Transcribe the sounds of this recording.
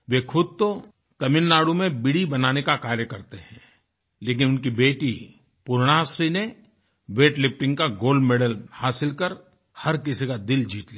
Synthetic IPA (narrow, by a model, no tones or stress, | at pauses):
ʋeːkʰʊd̪̚t̪o | t̪ɐmɪnːaːɽumẽbɪɽibɐnaːnekakaːɾjəkɐɾt̪eɦɛ̃ | leːk̬ɪnʊnkibeːʈi | pʊɾɽ̃aːsɾine | ʋeːʈlɪp̚ʈɪ̃ŋkaɡoːlɖmeːɖəlhaːsɪlkəɾ | hɐɾk̬ɪsikad̪ɪld͡ʒiːt̪liː